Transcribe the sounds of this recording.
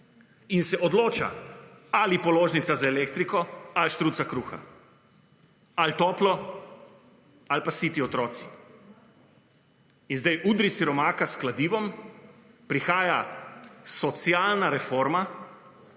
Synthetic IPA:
insɛɔd̪loːt͡ʃa̰alipɔloːʒnit̪sazaeleːk̚t̪ɾikɔalʃt̪ɾuːt̪sakɾuːxa̰ | alt̪oːplɔ | alpasit̪iɔt̪ɾɔːt̪si̥ | inzd̪ajʔud̪ɾisiɾɔmaːkasklad̪iːʋɔm | pɾixaːja | sɔt̪sjaːlnaɾɛfoːɾma

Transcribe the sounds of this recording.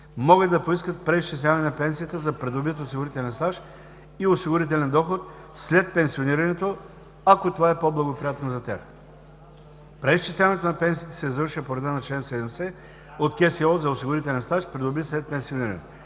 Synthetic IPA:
mɔɡəd̪d̪ɐpoiskət̪̚pɾɛist͡ʃislʲavɐnɛnɐpɛnsijət̪əzɐpɾɛd̪obit̪osiɡʊɾit̪ɛlʲɛnst̪aʃ | iosiɡʊɾit̪ɛlʲɛnd̪ɔxot̪̚ | slɛt̪̚pɛ̃nsioniɾɐnɛt̪o | akot̪ovaɛpoblˠɐɡopɾijat̪nozɐt̪ʲa̰k | pɾɛist͡ʃislʲavɐnɛt̪onɐpɛnsijət̪ə̥sɛzvəɾʃiɐpoɾɛd̪anɐt͡ʃlɛnsɛd̪ɛmsɛ | ot̪̚kʲɛsiɔzɐosiɡʊɾit̪ɛlɛnsaʃpɾɛd̪obislɛt̪̚pɛnsioniɾɐnɛt̪o

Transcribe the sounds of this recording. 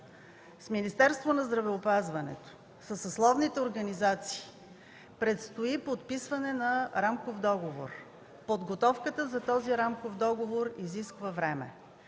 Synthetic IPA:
sminist̪ɛɾst̪vonɐzd̪ɾɐvɛopazvɐnɛ̰t̪o̥ | səsɐslˠɔvnit̪ɛoɾɡɐnizat̪si̥ː | pɾɛt̪st̪oipot̪pisvɐnɛnɐɾamkofd̪ɔɡovo̰ɾ | pod̪ɡot̪ɔfkət̪əzɐt̪ɔziɾamkofd̪ɔɡovoɾiziskvəvɾɛmɛ̰

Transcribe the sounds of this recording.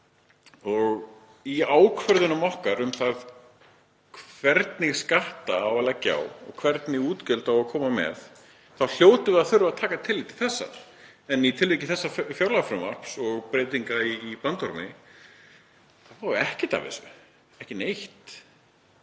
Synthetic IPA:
ɔɣ | iaːwkʰvœɾðʏnamɔhkaɾʏmθað | kʰvɛɾt̪nɪɣskaht̪aːwalacːa̰wɔ̰ɣkʰvɛɾt̪nɪɣuːt̪cœlt̪awakʰɔːmamɛ̰ð | θawl̥joːwt̪ʏvɪaðθʏɾvaðt̪ʰaːkat̪ʰɪlɪt̪ʰɪlθɛsːa̰ | ɛnit̪ʰɪlveːcɪθɛsːafjawɾlafɾʏma̰r̥psɔɣpɾeːt̪iŋkaiːpant̪ɔɾmɪ̰ | θavaːðʏɛhcɪt̪a̰vɪ̰sɪ̰ | ɛhcɪnejht̪

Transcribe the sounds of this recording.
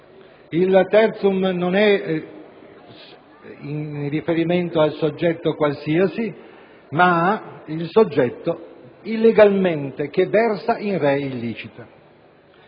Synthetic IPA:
ilt̪ːɛrt̪sumnonɛ | irifeɾiment̪oalsod͡ʒːɛt̪ːokwalsiasi | maailsod͡ʒːɛt̪ːoilːeɡalment̪ek̟evɛrsaʔinrɛilːiːt͡ʃit̪a

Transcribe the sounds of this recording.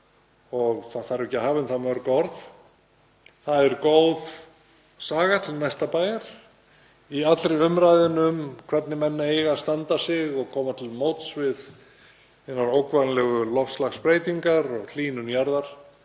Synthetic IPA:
ɔɣθaðθaɾɛcːɪhaːvɪnθamœɾkɔɾð | θaðɛɾkowð | saːɣat̪ʰɪlnajst̪apaːjaɾ̥ | iat̪lɾɪʏmɾajðɪnʏmkʰvɛt̪nɪmɛnːaejɣast̪ant̪asɪɣɔɣkʰɔːmat̪ʰɪlmowt̪svɪð | enːaɾowkvanlɛɣʏlɔfslaxspɾeːjt̪iŋkaɾɔɣl̥iːnʏnjaɾðaɾ̥

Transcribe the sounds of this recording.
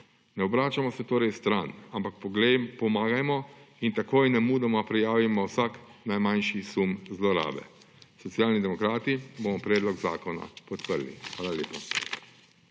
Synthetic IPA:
nɛɔbɾaːt͡ʃamɔsɛt̪oːɾɛjst̪ɾanampakpɔmaːɡajmɔint̪akoːjnɛmuːd̪amɔpɾɛjaːʋimɔwsaknajmanʃisumzlɔɾa̰ːbɛ̰ | sɔt̪sijaːlnid̪ɛmɔkɾaːt̪ibomɔpɾɛːd̪lɔɡzaːkɔna̰pɔt̪pəɾlḭxʋaːlalʲeːpa

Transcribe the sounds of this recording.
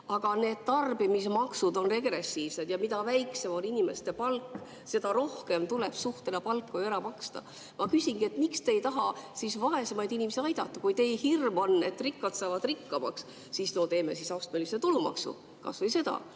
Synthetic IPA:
ɑɡ̥ɑne̞ːd̪̥̚t̪ɑrbimismɑksud̪o̞nre̞ɡ̥ɾe̞sːiːv̥se̞d̪̥jɑmid̪ɑvæjkse̞moninime̞st̪e̞pɑlkː | se̞d̪ɑɾo̞hke̞mt̪ule̞b̥suht̪enɑpɑlkːojæɾɑpɑkst̪ɑ̰ | mɑkysʲiŋɡ̥ie̞t̪ːmikst̪ejt̪ɑɦɑsisvɑe̞se̞mɑjd̪inʲimesiɑjd̪̥ɑt̪ːˑɑkujt̪e̞jhirmo̞nːe̞t̪ːˑrikːɑt̪sɑːvɑd̪̥rikːɑmɑ̰ks | sisno̞t̪e̞ːme̞sisɑwst̪meliset̪ulumɑ̰ksṵ | kɑ̰svɤjse̞d̪ɑ̰

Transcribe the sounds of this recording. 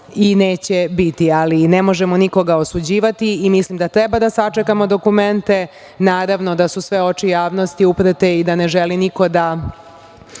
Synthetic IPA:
ineːt͡ɕebit̪ialinemo̞ʒemo̞niko̞ɡaosud͡ʑiːʋat̪iːmislimd̪at̪ɾebad̪asat͡ʂekamo̞d̪o̞kume̞nt̪e̞ | naːɾaʋnod̪asusʋe̞o̞t͡ʂijaːʋno̞st̪iupɾət̪eid̪aneʒeliniko̞d̪a

